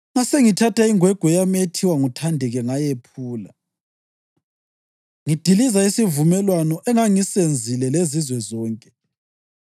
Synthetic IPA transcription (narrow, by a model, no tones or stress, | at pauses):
ŋaseŋitʰatʰaiŋwɛɡ̥ʱwɔjametʰiwaŋutʰandʱɛɣɛŋajepʰuːla̰ | ŋid̥ʱilizaisivumɛlwanɔʔɛŋaŋisend͡zʱilɛlezizwɛzɔːŋkʼɛ̥